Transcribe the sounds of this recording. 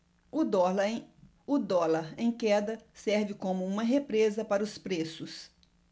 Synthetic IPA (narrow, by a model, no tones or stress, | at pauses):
ʊɔ | ʊd̪ɔlaɾẽj̃kɛd̪ɐsɛɾvɪkõmʊũmɐɦepɾezɐpaɾɐʊspɾesʊs